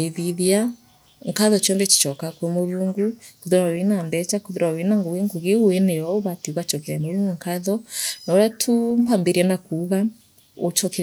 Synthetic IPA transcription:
eðiðia | ŋkaðɔt͡ʃɔndɛt͡ʃi̥t͡ʃɔkakwɔmoɾuːŋɡukoðoɾawenambɛt͡ʃakoðoɾawenaŋɡoɣeŋɡoɣeuwɛnɛɔoβatiuɣat͡ʃɔkɛɾɛmoɾuŋɡuŋkaðɔnɔɾatʰumambeɾianakuːɣa | ot͡ʃɔkɛ

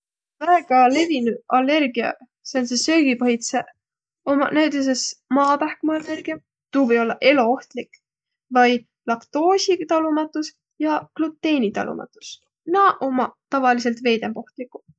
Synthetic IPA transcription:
væeɡ̥ɑle̞vinuʔɑlːe̞rɡiɑ̰ | sensesø̞ːɡ̥ipoɦjt̪se | o̞mɑnæwt̪es̬esmɑːt̪ɑhkmɑɑlːe̞rɡ̥iɑ | t̪uːvɤjo̞lːɑʔe̞loo̞ht̪lik | vɑj | lɑkt̪o̞ːsʲit̪ɑlumɑt̪ːˑus | jɑklut̪ːe̞ːnʲit̪ɑ̰lṵmʔɑ̰t̪ːˑu̥s | nɑʔo̞mɑt̪ɑvɑlise̞lt̪ve̞ːjd̪e̞mpo̞ht̪likːˑu̥

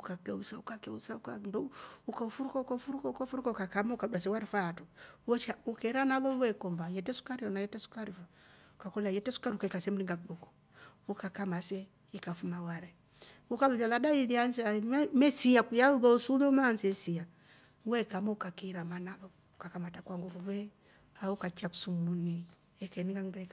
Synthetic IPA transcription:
ukakɛusaukakɛusaukandɔukaufuɾukaukaufuɾukaukafuɾukaukakamaukadwasɛwaɾifaːtɔwɔt͡ʃaukɛɾanalɔwɛkɔmbajɛtɛsu̥kaɾiɔnajɛtɛsu̥kaɾifa | ukakɔliajɛtɛsu̥kaɾiukaikasɛm̩liŋɡakubɔkɔ̥ | ukakamasɛ | ikafumawaɾɛ | ukalɔd͡ʒaladailianzamɛsiakujauβɔusulɛmansɛsia | wɛkamɔukakiɾamanaβɔ | ukakamatakwaŋɡukuβɛ | aukat͡ʃaku̥sumuni | ɛkɛniŋɡaŋɡɛka

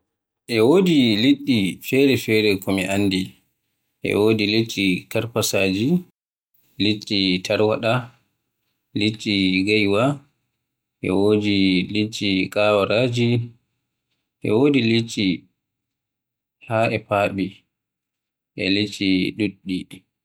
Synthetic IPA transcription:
ʔɛwoːdiliɗːifɛɾɛfɛɾɛkɔmiʔanːdi | ʔɛ̰woːdilit͡ʃʰːikaɾpasaːd͡ʒi | litːitʰaɾwa̰ɗa | litʼːiɡajwa | ʔɛ̰woːdilit͡ʃːikʼawaɾaːd͡ʒi | ʔɛ̰woːdilit͡ʃːi | haʔɛpaːɓi | ʔɛ̰lit͡ʃːiɗuɗːi

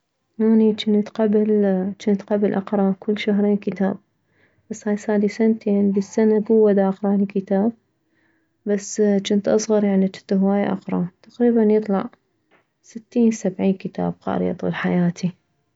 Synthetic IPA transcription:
ʔaːnit͡ʃɪnt̪qablt͡ʃɪnt̪qablʔɑqɾˤɑkʊlːʃaɦɾeːnkɪt̪a̰ːb̚ | b̥asːhaːjsaːd̪isant̪eːnləsːanaɡʊwːad̪aʔɑqɾˤɑlikɪt̪aːb̚ | basːt͡ʃɪnt̪ʔɑsˤɣɑɾˤjaʕnit͡ʃɪnt̪ɦwaːjaʔɑ̰qɾˤɑt̪aqɾiːbanjɨt̪ˤlɑ̰ʕ | sɪt̪ːiːnsabʕiːnkət̪a̰ːb̚qɑ̰ːɾjɑ̰t̪ˤṵlħajaːt̪ʰi

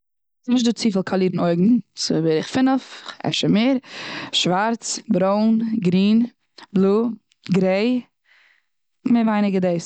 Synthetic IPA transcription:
snɪʃ̬tduːt͡siːfəl̩ˠkʰalˠiːɾn̩oɪɡŋ̩sʊ̰bɪɾɪχfɪnəfɛ̰ʃəmeːɾʃvaɾt͡sbɾoʊnɡɾiːn | blˠuː | ɡɾeɪ | mɪvaɪnɪɡədeɪs

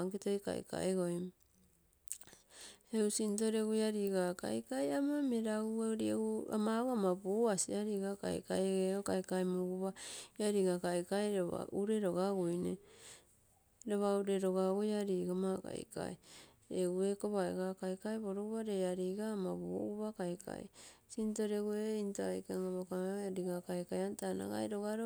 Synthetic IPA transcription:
ŋkitojka̰j̰ka̰eɡojm | eusinto̞ɾeɡujaɾiːɡaka̰jkajamameɾaueoɾieua̰mauamabuasiaɾiɡaka̰j̰kajɡeokajkajmuɡuβaiaɾiɡakajkajɾoβa̰uɾe̞ɾoɡaɡujne | ɾoβauɾeɾoɡaɡojaɾiːɡamaka̰j̰ka̰j | euekoβaḛɡakajkajβoɾoɡuβaɾeaɾiɡaːmabuɡuβakajkʰa̰j̰sinto̞ɾeɡueintoajkaŋaβokamaɾiɡakajkajantana̰ɡa̰jɾoɡaɾo

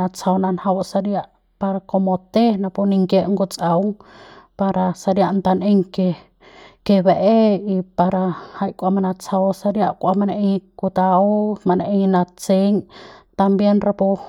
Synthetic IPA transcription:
at͡sawnanhawsaɾjaʔ | paɾakomot̪enapuniŋkeʔŋɡot͡sʼawŋpaɾasaɾjaʔnt̪aneŋke | keβeʔeipaɾahajkʷamanat͡sawsaɾjaʔkʷamaneʔekut̪aomaneʔeŋnat͡seŋt̪ambjenrapo

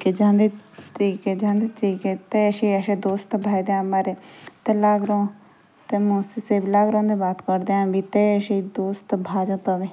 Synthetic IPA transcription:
keːd͡ʒãːnd̪eːt̪əɾiːked͡ʒãːnd̪et̪ɾiːkeːt̪eʃiːəʃeːd̪oːst̪bʱaːid̪eãːmaːɾeːt̪elaːɡɾõː | t̪eːmũːseseːbilaːɡɾõːd̪eːbaːt̪kəɾd̪eːãːbiːt̪eːəʃed̪oːst̪bʱaːd͡ʒãːt̪oʋeː

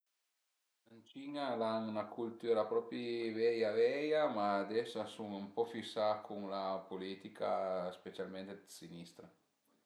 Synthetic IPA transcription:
ant͡ʃiɲalaŋunakʰult̪yɾapɾɔpɾivɛjavɛjamad̪ɛsasuŋəmpɔfisakʰuŋlapolit̪ikʰa̰spet͡ʃalmẽnt̪esinist̪ɾa

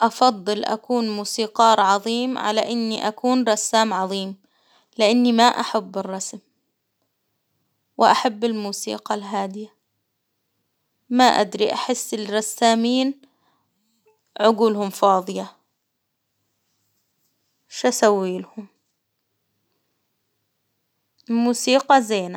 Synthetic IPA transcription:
ʔɑfɑd̪ˤːɨlʔa̰kuːnmuːsiːqɑːɾˤʕɑðˤiːmʕa̰laʔɪnːiʔakuːnɾˤɑsːaːmʕɑðˤiːm | lɪʔanːimaʔaħabːɪrˤːɑsm | wɪʔaħabːɪlmuːsḭːqɑlɦaːd̪ɪja | maʔa̰d̪ɾiʔaħɪsːɪlɾˤɑsːaːmiːn | ʕʊɡuːlhʊmfɑːðˤɨjɑ | ʃʔasawːiːlhʊm | muːsiːqɑzeːna

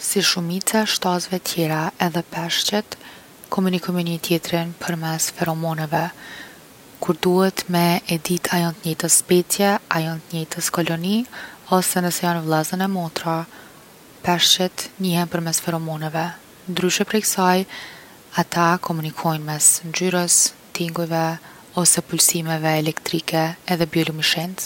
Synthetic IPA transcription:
siʃumit͡saʃt̪azvɛt̪ʰjɛɾaɛðɛpɛʃt͡ɕɛt̪ | kʰɔmunikɔjmɛnit̪jɛt̪ɾinpʰəɾmɛsfɛɾɔmɔnɛvɛ | kuɾd̪uhɛt̪mɛɛd̪it̪ʰajɔnt̪ɲɛjt̪əsspɛt͡sjɛajɔnt̪ɲɛjt̪ʰəskɔlɔniɔsɛnəsɛjanvlˠazənɛmɔt̪ɾa | pɛʃt͡ʃɛt̪ɲihɛnpəɾmɛsfɛɾɔmɔnɛvɛ | nd̪ɾyʃɛpɾɛksaj | at̪akʰɔmunikʰɔjnmɛsnd͡ʒyɾəs | t̪iŋɡujvɛ | ɔsɛpulsimɛvɛːlɛkt̪ɾikɛːðɛbjɔlumiʃɛnt̪

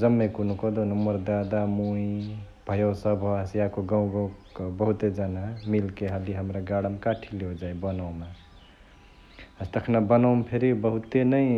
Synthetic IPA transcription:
d͡ʒəmːekunukɔd̪onəmːəɾd̪ad̪amui | b̥ʱəjosəbʱosiakoɡãw̃ɡabəɦut̪ed͡ʒanamilkeɦəliɦəmɾaɡaɽəmkaʈʰileod͡ʒajbənawma | əst̪əkʰnabənawmpʰeɾibəɦut̪enəĩ

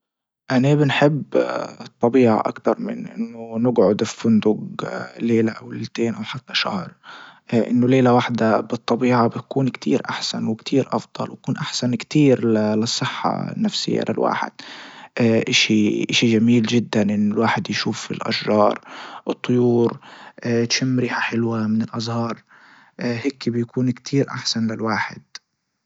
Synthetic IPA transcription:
ʔanabɪnħɪbːt̪ˤːɑbiːʕa̰ʔa̰kt̪ɑɾˤmɪnʔɪ̰nːʊnɪɡʕʊd̪ffʊnd̪ʊɡleːlaʔawlelt̪eːnʔawħat̪ːaʃa̰hɾˤʔʔɪnːʊleːlawaħd̪abɨt̪ˤːɑbiːʕabɪt̪kuːnkt̪ʰiːɾʔaħsanwɪkt̪ʰiːɾʔɑfd̪̥ˤɑ̰lwkuːnʔaħsankt̪iːɾllɨsˤːɨħːɑ̰nːafsɪ̰jːa̰lʔɪ̰lwa̰ːħɪ̰d̪̥̚ʔʔɪʃiʔɪʃiʒamiːlʒɪd̪ːanʔɪnːʊlwaːħɪd̪jʃuːfɪ̰lʔa̰ʃʒɑːɾˤʔɨt̪ˤːʊjuːɾʔt̪ʃɪmːɾiːħaħɪlwamɪnɪlʔɑzˤhɑːɾˤ | ʔheːkbjkuːnkt̪ʰiːɾʔa̰ħsanlɪlwaːħɪd̪̥

